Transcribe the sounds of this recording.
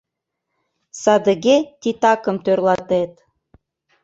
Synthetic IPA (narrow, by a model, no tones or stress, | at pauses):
sɑd̪əɣet̪ʲit̪ɑkə̆mt̪ørlɑt̪et̪